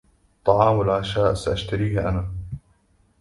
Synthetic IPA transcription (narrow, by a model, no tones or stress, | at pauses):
t̪ˤːɑʕɑːmalʕaʃaːʔsaʔaʃt̪aɾiːhʔanaː